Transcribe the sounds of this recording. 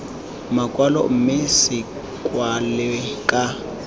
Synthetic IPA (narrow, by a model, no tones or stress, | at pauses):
makʼwalɔ̰m̩mɪsɪ | kʼwalɪkʼa